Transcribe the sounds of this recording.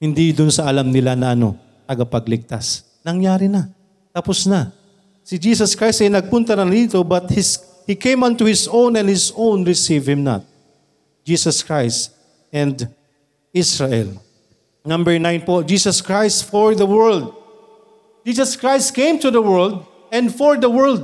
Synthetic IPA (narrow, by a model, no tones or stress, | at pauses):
hɪnd̪id̪ʊnsɐʔɐlamnɪlanɐʔɐno̰ | t̪ɐɡɐpɐɡlɪɡ̚t̪a̰s | nɐŋjaːɾɪna | t̪ɐpʊsna | sɪd͡ʒiːsɐskɹajst̪ɐjnɐɡ̚pʊnt̪ɐnɐniːt̪obɐt̪̚hɪs | hikẽjmɐ̃nt̪uhɪsõwnɛ̃nhɪsõwnɹɪsivhɪmna̰t̪̚ | d͡ʒiːsɐskɹajst̪ | ɛ̃nd̪ | ɪsɹaʔɛ̰l | nɐ̃mbɛɹnãjnpod͡ʒiːsɐskɹajst̪fɔɹðɐwɛɹld̪̚ | d͡ʒiːsɐskɹajst̪̚kẽjmt̪ʊðɐwɛɹld̪ | ɛ̃nd̪fɔɹd̪ɐwɛɹld̪̚